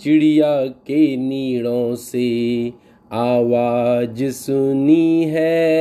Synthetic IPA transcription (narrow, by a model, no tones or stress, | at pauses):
t͡ʃɪɽijaːkeniːɽõse | aːʋaːd͡ʒsʊniɦɛː